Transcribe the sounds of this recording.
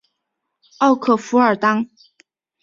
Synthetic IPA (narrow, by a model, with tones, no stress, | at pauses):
ɑ˥˩ʊkʰɤ˥˩fu˧˥ə˞˨˩t̪ɑ˥ŋ